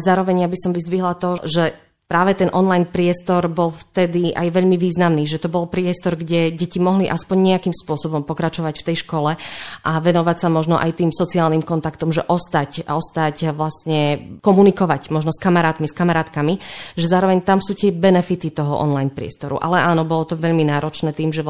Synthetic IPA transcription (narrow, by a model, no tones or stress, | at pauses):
zaːɾɔʋɛɲjabisɔmʋizd̪ʋiɦlat̪ɔʒɛ | pɾaːʋɛt̪ɛnʔɔnlajnpɾɪɛst̪ɔɾbɔlft̪ɛd̪ia̰jʋɛʎmiʋiːznamniːʒɛt̪ɔbɔlpɾɪɛst̪ɔɾɡɟɛɟɛcimɔɦliʔaspɔɲɲɛakiːmspʊɔsɔbɔmpɔkɾat͡ʃɔʋacft̪ɛjʃkɔlɛʔaʋɛnɔʋacsamɔʒnɔʔa̰jt̪iːmsɔt͡siaːlniːmkɔnt̪akt̪ɔmʒɛʔɔst̪acɔst̪acʋlast̪ɲɛkɔmunikɔʋacmɔʒnɔskamaɾaːt̪miskamaɾaːt̪kamiʒɛzaːɾɔʋɛɲt̪amsuːt̪ɪɛbɛnɛfit̪it̪ɔɦɔ̰ʔɔ̰nlajnpɾɪɛ̰st̪ɔɾṵʔa̰lɛʔaːnɔbɔlɔt̪ɔʋɛʎminaːɾɔt͡ʃnɛːt̪iːmʒɛ